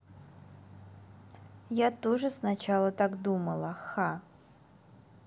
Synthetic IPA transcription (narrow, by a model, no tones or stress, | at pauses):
jat̪oʐɨsnat͡ɕalˠət̪akd̪uməlˠəxa